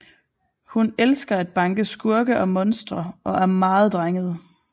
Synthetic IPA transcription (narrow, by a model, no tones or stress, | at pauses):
hunelsɡ̥ɐæd̥̚b̥ɑ̈ŋɡ̥əsɡ̥uɐɡ̥əʔɒ̽mɔ̽nsd̥ʁɐʔɒ̽ʔæɐmɑ̈ːð̞̩ˠd̥ʁaŋəð̩ˠ